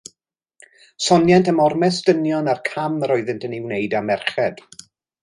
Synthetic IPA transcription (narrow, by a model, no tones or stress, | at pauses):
sɔnjɛntəmɔrmɛsdənjɔnarkʰaməɾɔɨðɪntʰənɪwnejdamɛrχɛd̥